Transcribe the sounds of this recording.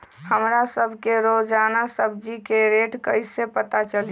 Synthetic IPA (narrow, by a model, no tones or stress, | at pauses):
həmɾasəbʱkeɾod͡ʒaːnasəbʱd͡ʒikeɾeʈkəɪsepət̪at͡ʃəl